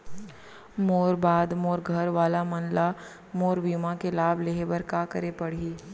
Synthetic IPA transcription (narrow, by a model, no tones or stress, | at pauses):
moːɾbaːd̪moːɾɡʱɐɾʋaːlamɐnla | moːɾʋimãkelaːbʱleːɦebəɾkaːkəɾepɐɽiː